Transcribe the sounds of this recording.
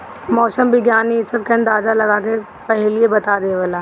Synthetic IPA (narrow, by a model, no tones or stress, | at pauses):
mɔːsəmbɪɡjaːnisɐb̚keɐ̃nd̪aːzalɐɡake | pɛɦɪliebɐt̪ad̪eʋəlaː